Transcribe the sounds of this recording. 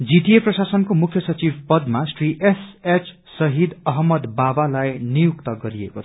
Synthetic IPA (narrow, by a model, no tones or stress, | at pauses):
d͡zit̪ieprʌsasʌnkomukʰjʌsʌt͡sibpʌd̪masʈriʔeset͡s | sʌɦid̪ʌɦmʌd̪babalajnijukt̪ʌɡʌɾiḛkot͡sʰ